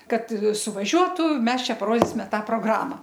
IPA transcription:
ˈkɐt sʊʋɐˈʒʲuɔtʊ ˈmʲɛs ˈt͡ʃʲɛ pɐˈroːdʲiːsʲɪmʲɛ ˈtɑː proːˈɡrɑːmɐ

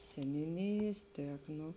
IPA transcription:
sʲɛnʲuːˈnʲɪjeːs ˈtʲiɛk ˈnoː

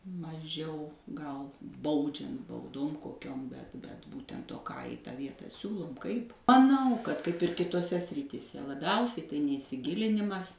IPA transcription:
mɐˈʒʲɛʊ ɡɐlˠ ˈbɐʊd͡ʒʲɛnt bɐʊˈdoːm koːˈkʲoːm bʲɛt bʲɛt ˈbuːtʲɛnt oː kɑː ɪ tɑː ˈʋʲiɛtɑː ˈsʲuːlˠʊm ˈkɐɪp mɐˈnɐʊ kɐt kɐɪp ɪr kʲɪtoːˈsʲɛ sʲrʲɪtʲiːˈsʲɛ lˠɐˈbʲɛʊsʲɛɪ tɐɪ nʲɛɪsʲɪˈɡʲɪlʲɪnʲɪmɐs

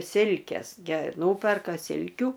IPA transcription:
ˈsʲɪlʲkʲeːs ɡʲɛ ˈnuːpʲɛrkɐ ˈsʲɪlʲkʲuː

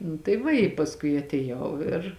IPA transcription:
nʊ tɐɪ ˈʋɐ ɪ pɐsˈkʊɪ ɐtʲeːˈjɛʊ ɪr

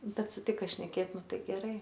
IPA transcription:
ˈbʲɛt sʊˈtʲɪkɐ ʃʲnʲɛˈkʲeːt ˈnʊ ˈtɐɪ ɡʲɛˈrɐɪ

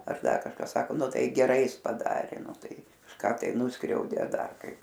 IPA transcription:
ɐr ˈdɐr kɐʃˈkɐ ˈsɑːkoː ˈnʊ ˈtɐɪ ɡʲɛˈrɐɪ ˈjɪs pɐˈdɑːrʲeː ˈnʊ ˈtɐɪ kɐʃˈkɑː tɐɪ ˈnʊskrʲɛʊdʲeː ɐ ˈdɐr ˈkɐɪp

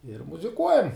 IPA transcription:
ɪr mʊzʲɪˈkuɔjɛm

